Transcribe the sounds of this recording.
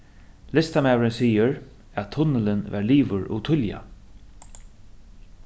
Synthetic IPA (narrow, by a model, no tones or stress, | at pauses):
lɪst̪amæːwɾɪnsiːəɹ | æt̪ʰːʊnːɪlɪnvæ̰ɹliːvʊɾʊ̰t̪ʰʊlja̰